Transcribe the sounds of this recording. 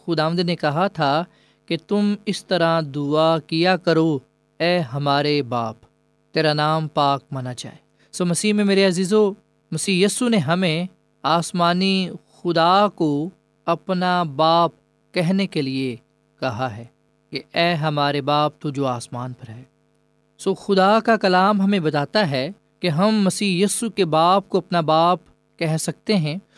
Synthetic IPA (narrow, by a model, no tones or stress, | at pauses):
xʊd̪aːʋə̃nd̪nekɐɦat̪ʰa | ket̪ʊmɪst̪ɐɾãd̪ʊakijakɐɾo | ɛːɦɐmaːɾebaːp | t̪eːɾanaːmpaːk̚mɐnat͡ʃa̰ːeː | soːmɐsiːmẽmeːɾeɐziːzo | mɐsiːjiːsuneɦɐmẽ | aːsmaːnixʊd̪aːko | ɐpnabaːp̚ | kɛɦnekelie | kɐɦaɦɛː | keɛːɦɐmaːɾebaːp̚t̪od͡ʒoːaːsmaːnpɐɾɦɛː | soːxʊd̪akakɐlaːmɦɐmẽbɐt̪aːt̪aɦɛ | keɦɐmːɐsiːjiːsukebaːp̚koɐpnabaːp̚ | kɛɦsɐk̚t̪eɦɛ̃ː